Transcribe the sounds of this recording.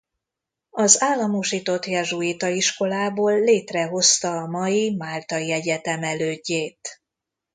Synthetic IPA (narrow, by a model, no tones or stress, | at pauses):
ɒzaːlːɒmoʃiːt̪o̞t̪jɛʒuit̪ɒiʃko̞laːboːlːeːt̪rɛɦo̞st̪ɒːmɒjimaːlt̪ɒiɛɟɛt̪ɛmɛløːɟːeːt̪